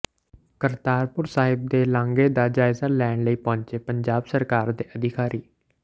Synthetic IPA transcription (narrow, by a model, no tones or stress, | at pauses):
kəɾt̪aːɾpʊɾsaːɦɪb̚d̪eːlãːŋɡeːd̪aːd͡ʒaːɪzaːlɛːɳləiːpɔ̃ːɲt͡ʃeːpəɲd͡ʒaːbsəɾkaːɾd̪eːʔəd̪ʱɪkaːɾʔiː